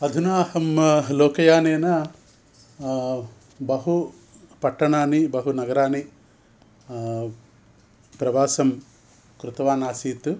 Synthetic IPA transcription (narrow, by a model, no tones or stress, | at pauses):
ɐd̪ʱunaːhɐmloːkɐjaːneːnɐ | bɐɦu | pɐʈːɐɳaːnibɐɦunɐɡɐɾaːni | pɾɐbaːsɐm | kɾut̪ɐʋaːnaːsiːt̪u